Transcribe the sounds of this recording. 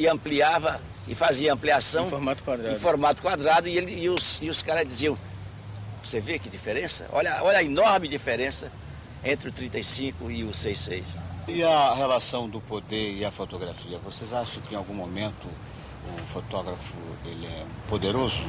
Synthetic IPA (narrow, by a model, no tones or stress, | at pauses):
ɪɐ̃mpliavɐ | ɪfaziɐɐ̃mpliasɐ̃w̃foɾmat̪ʊ̥kwad̪ɾãfoɾmat̪ʊ̥kwad̪ɾad̪ʊɪelɪːʊsɪʊskaɾɐzd͡ʒiziɐ̃w̃ | vosevekɪd͡ʒifeɾẽsɐ̰ʔɔ̰ʎɐɔʎɐinɔɾmɪd͡ʒifeɾẽsɐ | ẽnt̪ɾɪʊt̪ɾĩnt̪ejsĩkʊɪʊsejsejsɪɐhelasɐ̃w̃d̪ʊpod̪eɾɪɐfot̪oɡɾafiɐvosejzaʃɐ̃w̃kɪẽawɡũmomẽnt̪ʊ | ʊfot̪ɔɡɾɐfʊ̰ḛlɪɛ̰pod̪eɾozʊ